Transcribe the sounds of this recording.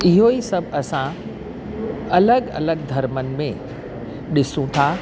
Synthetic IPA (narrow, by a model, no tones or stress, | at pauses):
ɪɦoisɐbʱɐsã | ɐləɡɐ̰ləɡ̚d̪ʱɐɾmənɪ̆mẽ | ɗɪsũt̪ʰaː